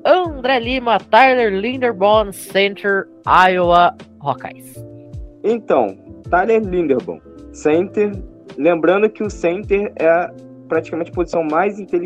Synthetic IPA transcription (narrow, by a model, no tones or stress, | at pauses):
ɐ̃d̪ɾɛlĩmɐt̪ajleɾlĩnd̪eɾbõnsẽnt̪eɾ | ajoɐhoka̰js | ẽt̪ɐ̃w̃t̪ajleɾlĩnd̪eɾbõ̰ | sẽnt̪eɾ | lẽmbɾɐ̃nd̪ʊkɪʊsẽnt̪eɾɛɐ | pɾat͡ʃi̥kamẽnt͡ʃɪpozisɐ̃w̃majzĩt̪el